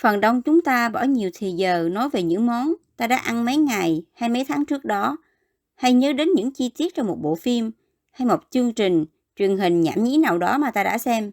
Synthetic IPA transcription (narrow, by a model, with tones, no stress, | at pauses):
fə˨˩nɗə˧wŋ͡mt͡ɕʊ˨˦ŋ͡mt̪aː˧ɓɔ˧˩ɲi˨˩əwt̪ʰi˨˩zəː˨˩nɔ˨˦jve˨˩ɲɨ̰˧˥ŋmɔ˨˦nt̪aː˧ɗa̰ː˧˥ʔa˧nmə˨˦jŋa˨˩jhaː˧jmə˨˦jt̪ʰaː˨˦ŋt͡ɕɨ˦˥ək̚ɗɔ˨˦ | ha˧jɲəː˨˦ɗe˨˦nɲɨ̰˧˥ŋt͡ɕi˧t̪i˦˥ət̚t͡ɕɔ˧wŋ͡mmo˨˩t̚ɓo̰˧˨fi˧m | ha˧jmo˨˩t̚t͡ɕɨ˧əŋt͡ɕï˨˩ŋ̟ | t͡ɕwi˨˩əŋɦï˨˩ŋ̟ɲa̰ː˧˩mɲḭ˧˥naː˨˩wɗɔ˨˦maː˨˩t̪aː˧ɗa̰ː˧˥sɛ˧m